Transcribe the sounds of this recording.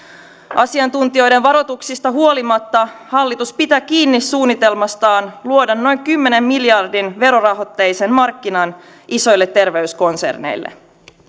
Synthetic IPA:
ʔɑsiɑnt̪unt̪io̞jde̞nʋɑɾo̞t̪uksist̪ɑɦuo̞limɑt̪ːɑhɑlːit̪uspit̪æːkiːnːisuːnːit̪e̞lmɑst̪ɑːnluo̞dɑnno̞jŋkymːe̞ne̞mːiljɑrdinʋe̞ɾo̞rɑɦo̞t̪ːejse̞nmɑrkːinɑn | ʔiso̞jlːet̪ːe̞rʋe̞ysko̞nse̞̰rnḛjlːḛ

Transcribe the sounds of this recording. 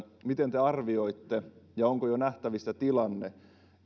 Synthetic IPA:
mit̪ent̪eɑrʋioit̪ːejɑoŋkojonæht̪æʋist̪æt̪ilɑnːe

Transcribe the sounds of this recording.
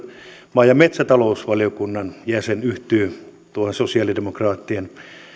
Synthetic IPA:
mɑːjɑmet̪sæt̪ɑlousʋɑlijokunːɑnjæsenyht̪yː | t̪uohensosiɑːlidemokrɑːt̪ːien

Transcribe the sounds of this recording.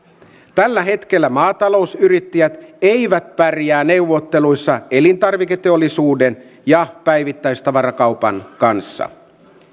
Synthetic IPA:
t̪ælːæɦe̞t̪ke̞lːæmɑːt̪ɑlo̞usyɾit̪ːæjæt̪eijʋæt̪̚pærjæːne̞wʋːo̞t̪ːe̞lujsːɑe̞lint̪ɑrʋiket̪eo̞lːisuːde̞n | jɑpæjʋit̪ːæjst̪ɑʋɑrɑkɑupɑ̰nkɑnsːɑ̰

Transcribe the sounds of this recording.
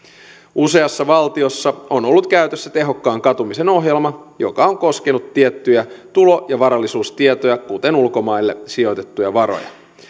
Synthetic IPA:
use̞ɑsːɑʋɑlt̪io̞sːɑo̞no̞lːut̪kæyt̪øsːæt̪e̞ɦo̞kːɑːŋkɑt̪umise̞no̞ɦjelmɑjo̞̰kɑoŋko̞ske̞nut̪ːiet̪ːyjæt̪ulo̞jɑʋɑɾɑlːisuːst̪iet̪o̞jɑkut̪enulko̞mɑilːe̞sio̞t̪e̞t̪ːujɑʋɑɾo̞̰jɑ̰

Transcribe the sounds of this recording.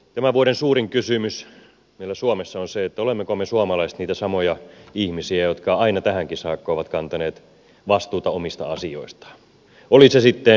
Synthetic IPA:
t̪æmæʋuoɾensuːɾiŋkysymys | meilːæsuomesːɑonseet̪ːæolemːekomesuɑmɑlɑist̪niːt̪æsɑmojɑihmisiæjot̪kɑɑinɑt̪æhæŋkisɑːkːoːʋɑt̪kɑnt̪ɑneːt̪ | ʋɑst̪uːt̪ɑomist̪ɑ̰ɑsio̰ist̪ɑ̥ | olisesit̪ːe

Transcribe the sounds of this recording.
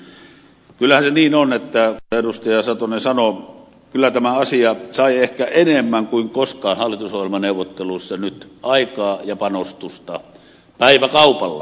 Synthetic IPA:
kylːæhænseniːnonet̪ːæerust̪ɑjɑsɑt̪onesɑno | kylːˑæt̪æmæɑsiɑsɑˑiehkæʔenemːæŋkuiŋkoskˑɑːnhɑlːˑit̪usohjelmɑneˑuʋˑot̪ːeluisːɑnyt̪ʔɑˑikɑːjɑpɑnost̪ust̪ɑ̰ | pæˑiʋækɑupɑlːɑ̰

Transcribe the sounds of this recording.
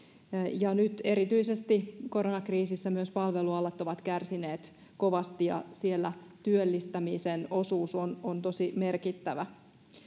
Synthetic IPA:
jɑnyt̪e̞ɾit̪yisest̪ikoɾonɑkriːsisːæmyøspɑlʋeluɑlːɑt̪ːo̞ʋɑt̪kærsineːt̪ | ko̞ʋɑst̪ijɑ̰sielːæt̪yølːist̪æmiseno̞suːsonont̪o̞sime̞rkit̪ːæʋæ

